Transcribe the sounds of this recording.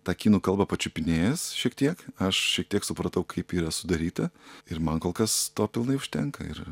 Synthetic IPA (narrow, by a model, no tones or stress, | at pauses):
t̪ɑːkʲiːnuːkɐlˠbɐpɐt͡ʃʲʊpʲɪnʲeːjɛsʃʲiɛkt̪ʲiɛkɐʃʃʲiɛkt̪ʲiɛksʊpɾɐt̪ɐʊkʰɐɪpiːɾɐsʊd̪ɐɾʲiːt̪ɐɪɾmɐnkoːlˠkɐst̪oːpʲɪlˠnɐɪʊʃʲt̪ʲɛŋkɐ̰ɪ̰ɾ